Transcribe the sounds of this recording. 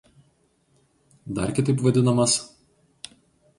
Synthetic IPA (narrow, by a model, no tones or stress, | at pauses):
d̪ɐɾkʲɪt̪ɐɪpʋɐd̪ʲɪnɐmɐs